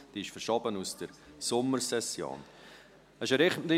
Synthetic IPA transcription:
d̥iːɪʃfəɾʃɔbənusd̥əɾsʊmːəɾsɛsjo̰ːn | əʃəɾɪχdɪ

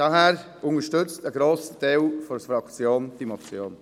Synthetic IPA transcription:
d̥ɑɦɛːɾ | ʊŋəʃtʏt͡stəɡɾoːsəd̥ewfɔɾfɾɑkt͡sjoːnd̥imot͡sjoːn

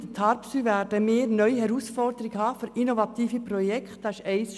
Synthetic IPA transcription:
dət̪ʰɑːɾpsyːvæɾdəmɪːɾnœʏhɛɾuːsfɔrd̥̪əɾɪɡhɑːfyɾinovɑt̪iːfiprɔjɛkχt̪ɑsɛɪs

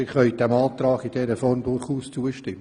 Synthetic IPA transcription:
ɪχœʏd̥ɛmɑːt̪rɑːɡid̥ɛɾəfɔrndʊrχuːst͡suəʃtɪm

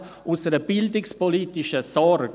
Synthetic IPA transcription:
ʔʊsəɾəb̥ɪldɪkspɔlitɪʃəsɔɾɡ

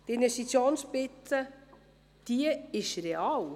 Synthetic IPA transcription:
d̪invɛstit͡sjoːnspɪt͡sːə | d̪̥iəɪʃɾeɑːw

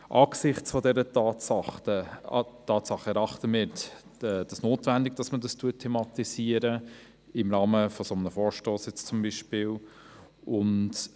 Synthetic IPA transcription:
ʔɑːksɪχt͡sfɔdɛɾətɑːtɑχətɑːtsɑχːəɛɾɑχtəmɪːɾ | ɛːd̥ɑsnoːtvændɪɡd̥ɑsmədɑstuətʰːemɑt̪isiːəɾə | ɪmɾɑːməfɔsɔmənəfɔːɾʃtoːsjɛt͡st͡sʊmbiʃpɪːl | ʔʊnt

